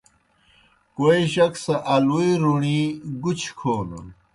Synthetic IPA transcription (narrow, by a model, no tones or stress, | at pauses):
koiɕɐksɐʔɐluiɾuɳiɡut͡ɕʰkʰoːnɐ̰